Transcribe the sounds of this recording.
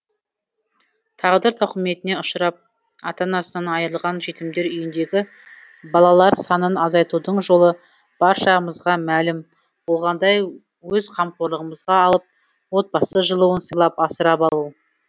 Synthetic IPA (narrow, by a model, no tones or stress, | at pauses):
t̪ʰɑʁd̪əɾt̪ʰʊqəme̞t̪ɪne̞ʊʃəɾɑp̚ | ɑt̪ɑnɑsənɑnɑjəɾəlˠʁɑnʒe̞t̪ɪmd̪e̞ɾʏjɪnd̪e̞ɡʲɪ | bɑlˠɑlˠɑɾsɑnənɑzɑjt̪ud̪əɴʒo̞lˠə | b̥ɑɾʃɑʁəməzʁɑmælɪm | bolˠʁɑnd̪ɑj | wɵzqʰɑmqoɾlˠəʁəməzʁɑɑlˠəp̚ | wo̞t̪̚bɑsəʒəlˠuwənsəjlˠɑpɑsəɾɑpɑlˠu